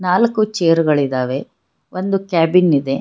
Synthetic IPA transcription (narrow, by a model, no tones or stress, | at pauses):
naːlɐkːut͡ʃeːɐɾuɡɐɭid̪aːʋe̞ | ʋond̪ukaːbinid̪e̞